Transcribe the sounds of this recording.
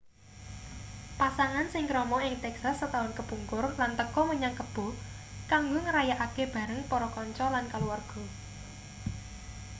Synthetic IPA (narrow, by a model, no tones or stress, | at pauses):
pasaŋansɪŋkɾɔmɔɪŋt̪ɛksasːət̪aʊnkəb̥uŋkʊrlant̪əkɔməɲakəb̥o̤ | kaŋɡoŋəɾajaʔakeb̥ä̤ɾəŋpɔɾɔkɔɲt͡ʃɔlankaluwarɡ̥ɔ̤